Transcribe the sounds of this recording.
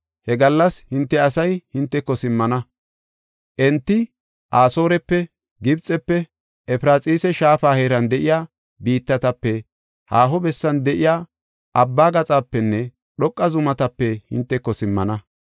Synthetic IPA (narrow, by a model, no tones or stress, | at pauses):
hɛɡɐlːɐshɪnt̪ːɛɐsɐjhɪnt̪ːɛkːɔsɪmːɐnɐ | ʔɛnt̪ːɪ | ʔaːso̞ːɾɛpːɛ | ɡɪbt͡sʼɛpːɛ | ɛfɾaːt͡sʼiːsɛʃaːfaːheːɾɐnd̪ɛʔɪjaː | biːt̪ːɐt̪ɐpːɛ | haːɦɔbɛsːɐnd̪ɛʔɪjaː | ʔɐbːaːɡɐt͡sʼaːpːɛnːɛ | ɗɔkʼːɐzʊmɐt̪ɐpːɛhɪ̰nt̪ːɛkːɔsɪmːɐ̰nɐ